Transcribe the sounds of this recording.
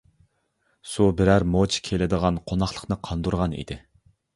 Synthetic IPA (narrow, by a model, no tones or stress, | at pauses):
subɪɾæɾmot͡ʃʰkʲʰelɪd̪əʁɑnqʰonɑχlˠə̥qnɨqʰɑnd̪uɾʁɑnḭd̪ɪ